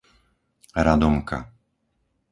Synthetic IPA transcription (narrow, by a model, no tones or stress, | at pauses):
ɾad̪ɔmka̰